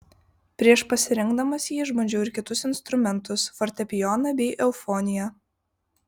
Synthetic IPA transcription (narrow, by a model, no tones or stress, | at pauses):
pʲɾʲiɛʃpɐsʲɪɾʲɪŋɡd̪ɐmɐsjiːʒmoːd͡ʒʲɛʊɪɾkʲɪt̪ʊsɪnst̪ɾʊmʲɛnt̪ʊsfɔɾʲt̪ʲɛpʲɪjɔnɐbʲɛɪʔɛʊfoːnʲɪjɛ